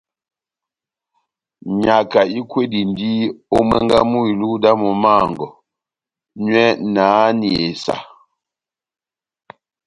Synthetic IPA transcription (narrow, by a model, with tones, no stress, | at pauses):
ɲa˨ka˨i˦kwe˦di˨ndi˦o˦mɛ˦ŋɡa˦mu˦i˨lu˦da˦mɔ˨ma˦˨ŋɡɔ˨ | ɲɥɛ˦naː˨˦ni˨e˨sa̰˨